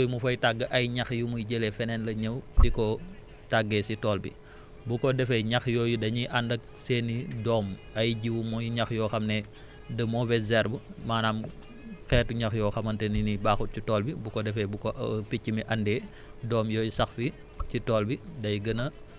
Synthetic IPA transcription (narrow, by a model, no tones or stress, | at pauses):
ujmufɐjtaɡːəʔɐjɲɐxjumujɟəlɛfɛnɛnlɐɲəwdikɔ | taɡːɛsitɔːlbḭ | bukɔdɛfɛɲɐxjɔːjudɐɲiʔɐndɐk̚ | seːnːidɔːm | ɐjɟiwumujɲɐxjɔːxɐmnɛ | dəmɔbɛzɛɾbumaːnaːm | xɛːtuɲɐxjɔːxɐmɐntɛninibaːxut̚citɔːlbibukɔdɛfɛbukɔpicːimiʔɐndɛː | dɔːmjɔːjusɐxfi | sitɔːlbidɐjɡɐnɐ